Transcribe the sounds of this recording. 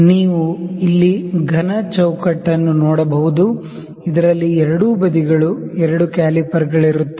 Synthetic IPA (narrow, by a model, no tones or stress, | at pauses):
niːʋuilːiɡʱɐnɐt͡ʃɐwkɐʈːɐnːunɔːɽɐbɐɦud̪u | id̪ɐɾɐlːiɛɾɐɽuːbɐd̪iɡɐɭuɛɾɐɽukaːlipɐɾɡɐɭiɾut̪ːe̥